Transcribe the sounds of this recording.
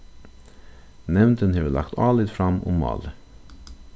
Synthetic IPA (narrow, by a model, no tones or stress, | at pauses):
nɛʋnd̪ənheːʋəlɑ̰kt̪ʰɑːlɪd̪fɾɑmʊ̰mːɑ̰ːlə